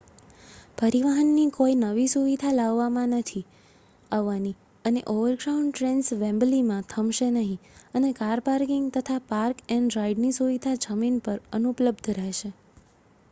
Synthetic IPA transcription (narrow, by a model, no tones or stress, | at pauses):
pəɾiʋaɦənːikoinəʋisuʋid̪ʱalaʋːamãnət̪ʰi | aʋːani | əneʔoʋəɾɡɾaũɳɖʈɾensʋɛ̃mblimãt̪ʰəmʃenəɦĩənekaɾpaɾkɪŋɡt̪ət̪ʰapaɾkɛ̃ɳɖɾaiɖnisuʋid̪ʱad͡ʒəminpəɾənupləbd̪ʱɾɛɦʃe